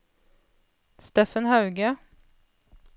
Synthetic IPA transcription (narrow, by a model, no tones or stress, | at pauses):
st̪eːfənhɑʉɡə